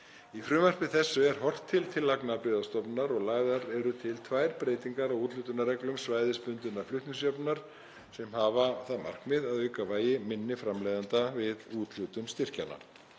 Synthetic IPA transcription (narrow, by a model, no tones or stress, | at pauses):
ifɾʏːmœr̥pɪθɛsːʏɛɾ̥hɔr̥t̪ʰːɪlt̪ʰɪlːaknapɾʏːðast̪ɔpnaɾɔɣlaːɣðaɾɛɾʏt̪ʰɪlt̪ʰvaːjɾpɾeːjt̪iŋkaɾawuːt̪luwt̪ʏnːarɛklʏmsvaːjðɪspʏnt̪ʏnːaflʏht̪nɪsjœpnaɾ̥ | sɛmhaːvaθaðma̰r̥kmɪðaðœɥkavaːjɪmɪnːɪfɾamlejðant̪avɪðuːt̪l̥uwt̪ʏmst̪ɪr̥cana̰